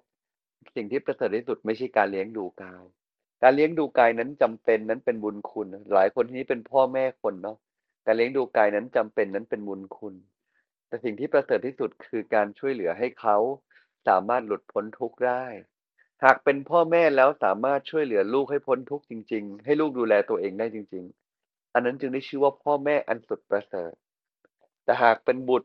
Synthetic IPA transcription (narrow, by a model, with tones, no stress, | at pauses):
si˨˩ŋt̪ʰiː˥˩pɾa˧sɤː˨˩t̪ʰːiː˥˩su˨˩t̪̚ma˥˩jt͡ɕʰa˥˩jkaː˧nli˦˥əŋduː˧kaː˧j | kaː˧nli˦˥əŋduː˧kaː˧jna˦˥nt͡ɕa˧mpe˧nːa˦˥npe˧nbu˧nkʰu˧nlaː˨˩˦jkʰo˧nt̪ʰiː˥˧ni˦˥pe˧npʰɔː˥˩mɛː˥˩kʰo˧nːɔ˦˥ | kaː˧nli˦əŋduː˧kaː˧jna˦˥nt͡ɕa˧mpe˧nːa˦˥npe˧nbu˧nkʰu˧n | t̪ɛː˨˩si˨˩ŋt̪ʰiː˥˩pɾa˧sɤː˨˩t̪ʰːiː˥˩su˨˩t̪̚kʰɯː˧kaː˧nt͡ɕʰu˥˩əjlɯ˩˦ɐɦa˥˩jkʰa˦˥w | sa̰ː˩˦maː˥˩t̪̚lu˨˩t̪̚pʰo˦˥nt̪ʰu˦˥k̚daː˥˩j | haː˨˩k̚pe˧npʰɔː˥˩mɛː˥˩lɛː˦˥wsaː˩˦maː˥˩t̪̚t͡ɕʰu˥˩əjlɯ˩˦ɐluː˥˩k̚ha˥˩jpʰo˦˥nt̪ʰu˦˥k̚t͡ɕi˧ŋt͡ɕi˧ŋɦa˥˩jluː˥˩k̚duː˧lɛː˧t̪u˧ɐʔeː˧ŋdaː˥˩jt͡ɕi˧ŋt͡ɕi˧ŋ | ʔa˧nːa˦˥nt͡ɕɯ˧ŋdaː˥˩jt͡ɕʰɯː˥˩waː˥˩pʰɔː˥˩mɛː˥˩ʔa˧nsu˨˩t̪̚pɾa˧sɤ̰ː˨˩t̪̚ː | ɛː˨˩ɦaː˨˩k̚pe˧nbu˨˩t̪̚